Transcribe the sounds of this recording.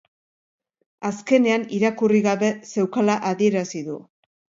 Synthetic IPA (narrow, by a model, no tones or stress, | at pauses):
aske̞ne̞aniɾakuriɣaβe̞se̞wkalaʔaðie̞ɾasiðu